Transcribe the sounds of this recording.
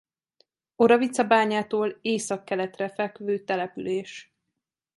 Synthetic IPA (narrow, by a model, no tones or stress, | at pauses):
o̞ɾɒvit̪sɒbaːɲaːt̪oːleːsɒkːɛlɛt̪rɛfɛlkøvøːt̪ɛlɛpyleːʃ